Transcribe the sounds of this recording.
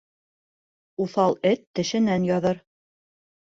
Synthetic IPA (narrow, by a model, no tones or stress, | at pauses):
uθɑlˠɘt̪ːɘ̆ʃɘ̆nænjɑðɤɾ